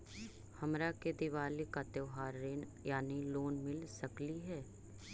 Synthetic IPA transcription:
hɐmɾaked̪iʋaːlikat̪eʋɦaːɾːeːnjaːniloːnmɪlsɐkliɦɛː

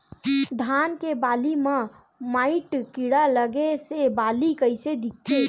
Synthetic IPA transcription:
d̪ʱankebalime | maɪʈkiɽaləɡesebalikəɪsed̪ik̚t̪ʰe

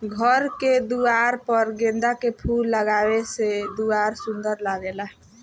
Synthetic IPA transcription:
ɡʱəɾked̪uaɾpəɾɡẽnd̪akepʰulːəɡabesed̪uaɾsũnd̪əɾlaɡelaɦ

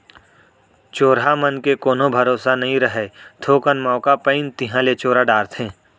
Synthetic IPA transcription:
t͡ʃoːɾɦamənkekoːnõbʱɐɾoːsanɐɦĩɾɐɦet̪ʰoːkənmɔːkapəɪnt̪ɪɦãlet͡ʃoːɾaɖaːɾt̪ʰẽː

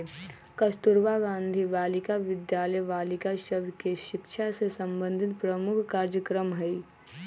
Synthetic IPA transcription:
kɐst̪ʊɾʋaɡãːnd̪ʱiʋaːlɪkaʋɪd̪jaːləjʋaːlɪkasəbʱkeʃɪkʃʰasesə̃mbə̃nd̪ʱɪt̪pɾəmʊkʰkaːɾd͡ʒjəkɾəmɦɛi

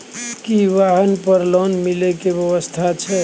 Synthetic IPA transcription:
kiʋaɦənpəɾlonmilekebjəʋəst̪ʰat͡ʃʰɛ

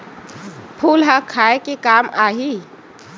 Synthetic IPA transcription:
pʰulɦəkʰaekekamaɦi

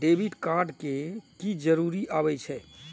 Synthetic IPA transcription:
ɖebʱiʈkaɾɖkekid͡ʒəɾuɾiʔabɛt͡ʃʰɛ

